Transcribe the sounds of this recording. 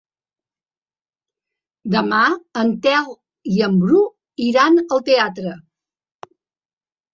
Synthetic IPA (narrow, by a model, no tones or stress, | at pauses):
d̪əmaənt̪ɛlˠ | iəmbɾu | iɾanəlˠt̪eat̪ɾə